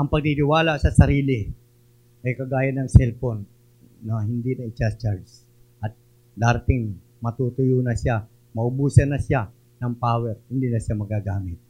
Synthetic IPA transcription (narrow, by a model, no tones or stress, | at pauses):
ʔɐŋpɐɡ̚t̪it̪ɪwaːlaʔsɐsɐɾiːlɪ | ʔɐjkɐɡaːjɐnɐŋsɛlponː | ɐhɪnd̪inɐɪt͡ʃast͡ʃaɹs | ʔɐt̪̚ | laɾt̪ɪŋ | mɐt̪uːt̪ʊjoːnɐsa | mɐʔʊbuːsɐnɐsja | nɐŋpaːwɛɾhɪnd̪inɐʃamɐɡaɡaːmɪt̪̚